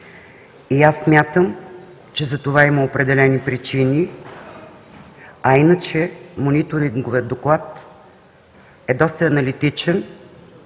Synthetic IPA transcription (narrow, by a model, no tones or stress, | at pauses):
iasːmʲjat̪əm | t͡ʃɛzɐt̪ovaiməopɾɛd̪ɛlɛnipɾit͡ʃini | ɐinət͡ʃɛmonit̪oɾiŋɡoviət̪ːoklˠat̪ | ɛd̪ɔst̪əɐnɐlit̪it͡ʃɛn